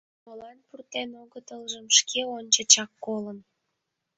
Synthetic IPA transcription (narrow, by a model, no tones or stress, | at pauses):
molɑnpurt̪enoɣət̪əlʒəmʃkeonʲt͡ɕət͡ɕɑkːolən